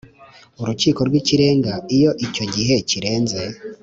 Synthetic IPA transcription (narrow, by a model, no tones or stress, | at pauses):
uɾuciːko̞ɾɡwiciɾe̞ːŋɡaijo̞ʔico̞ɟiɦe̞ciɾe̞ːnze̞